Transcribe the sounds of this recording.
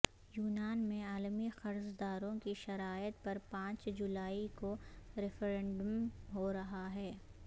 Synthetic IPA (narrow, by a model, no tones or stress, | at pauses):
juːnaːnmẽaːlmixɐɾzd̪aːɾõkiʃɐɾaːjət̪pɐɾpãːt͡ʃd͡ʒʊlaːikoɾɪfʰɾẽɳɖəmɦoɾɐɦaɦɛː